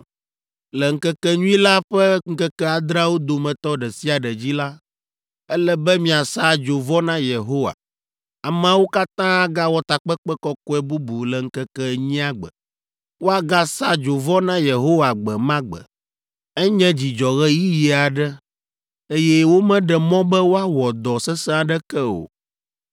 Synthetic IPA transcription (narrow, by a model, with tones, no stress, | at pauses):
lɛ˨ŋ̩˦kɛ˦kɛ˦ɲũ˦ĩ˦la˦ɸɛ˦ŋ̩˦kɛ˦kɛ˦a˨d̪ɾa˦wo˦d̪o˨mɛ̃˨t̪ɔ˦ɖɛ˨si˦a˨ɖɛ˨d͡ʑi˦la˦ | ɛ˦lɛ˦bɛ˦mĩ˦˨a˨sa˦d͡ʒo˨vɔ˦nã˦je˨ɦo˦wa̰˨ | a˨m˨ã˦wo˦ka˦t̪ã˦a˦ɡa˦wɔ˦t̪a˨k͡pɛ˦kk͡pɛ˦kɔ˦ko˦ɛ˦bu˦bu˨lɛ˨ŋ̩˦kɛ˦kɛ˦ɲĩ˦a˦ɡ͡bɛ̰˨ | wo˦a˦ɡa˦sa˦d͡ʒo˨vɔ˦nã˦je˨ɦo˦wa˨ɡ͡bɛ˨mã˦ɡ͡bɛ̰˨ | ɛ˦ɲɛ̃˦d͡ʑi˨d͡ʒɔ˨ɣɛ˦ji˦ji˨˦a˨ɖɛ˦ | e˦jɛ˦wo˦mɛ̃˦ɖɛ˨mɔ̃˦bɛ˦wo˦a˦wɔ˨d̪ɔ˨sɛ˦sɛ̃˦a˨ɖɛ˦kɛ˦o̰˨